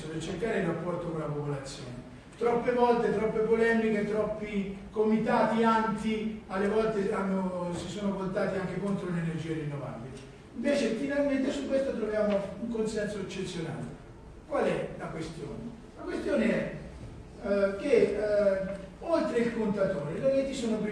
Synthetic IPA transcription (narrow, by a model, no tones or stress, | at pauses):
opet͡ʃːeɾkːaːɾeirːapːɔrt̪okonlapopolat̪sːjɔ̰ːne | t̪ɾɔpːevɔlt̪et̪ɾɔpːepolɛːmiket̪ɾɔpːikomit̪aːt̪iant̪ialːevɔlt̪eanːosisoːnovolt̪aːt̪iaŋk̟ekont̪ɾolenerd͡ʒiːeɾinːova̰bile | iɱveːt͡ʃefinalment̪esukːwest̪ot̪ɾovjaːmouŋkonsɛnsoet͡ʃːet̪sːjona̰ːle | kwalɛlakwest̪jo̰ːne | lakwest̪joːneɛ | k̟e | olt̪ɾeilkont̪at̪oːɾeloket̪ːisoːnop